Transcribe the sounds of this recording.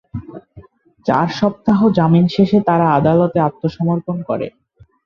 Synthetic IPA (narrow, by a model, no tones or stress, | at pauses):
t͡ɕa̰ɾʃɔp̚t̪aɦod͡ʑaminʃeʃet̪aɾaad̪alɔt̪eat̪ːoʃɔmoɾponkɔ̰ɾḛ